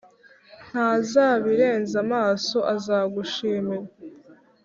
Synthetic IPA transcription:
n̥haːzaːβiɾe̞ːnzamaːso̞ʔazaːɡuʃiːmiɾa

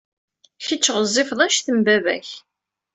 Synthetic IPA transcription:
çət͡ʃːəʁəzˤːɪfðˤɑnʃθəmbævæ̰ç

